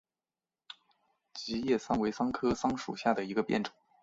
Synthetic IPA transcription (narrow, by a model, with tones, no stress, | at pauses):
t͡ɕi˧˥jɛ˥˩sɑ˥ŋwe˧˥ɪsɑ˥ŋkʰɤ˥sɑ˥ŋʂṵ˨˩ɕja˥˩d̪ə˩i˧˥ɡə˧pjɛ˥˩nʈ͡ʂɤ̥˨˩˦ŋ